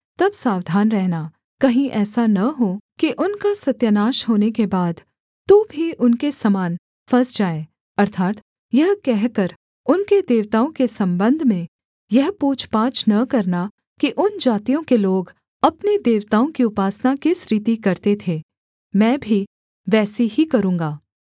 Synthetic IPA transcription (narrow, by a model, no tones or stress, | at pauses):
t̪ɐbsaːʋd̪ʱaːnɾɛɦna | kɐɦĩʔɛːsanɐɦokiʔʊnkasɐt̪jənaːʃɦoːnekebaːd̪ | t̪obʱiʔʊnkesɐmaːn | fʰɐsd͡ʒaːe | ɐɾt̪ʰaːt̪ | jɐɦkɛɦkɐɾ | ʊnked̪eːʋt̪aːõkesɐ̃mbə̃nd̪ʱmẽ | jɐɦpuːt͡ʃʰpaːt͡ʃnɐkɐɾna | kiʔʊnd͡ʒaːt̪ijõkeloːɡ | ɐpned̪eːʋt̪aːõkiʊpaːsnakɪsɾiːt̪ikɐɾt̪et̪ʰeː | mɛ̃ːbʱi | ʋɛːsiɦikɐɾũːŋɡaː